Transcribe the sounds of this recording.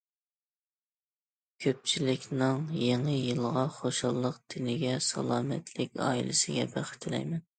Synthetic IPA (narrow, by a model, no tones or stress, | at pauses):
kʲʰøp̚t͡ʃʰilɪkʲnɨŋjeŋɨjɨlˠʁɑχoʃɑlˠːəqd̪̥ɪnɪɡʲɛsɑ̰lˠɑːmɛt̪ʰlɪkʲɑ̰ːḭlɪ̰sɪɡʲɛ̰bæχɪ̥t̪ʰɪlɛ̰jmɛn